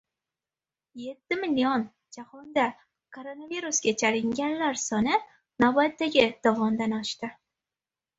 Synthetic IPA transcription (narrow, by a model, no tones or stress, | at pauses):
je̞t̪ʰːɪmɪljon | d͡ʒahɒnd̪a | kʰoɾo̞naviɾusɡʲat͡ʃʰalɪŋɡʲanlaɾsɒnɪ | nawbat̪ːaɡʲɪd̪̥ɒvɒmd̪anɒʃt̪ɪ